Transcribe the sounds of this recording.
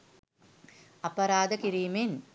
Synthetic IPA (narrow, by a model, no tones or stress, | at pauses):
ɐpɐɾaːd̪əkiɾiːmen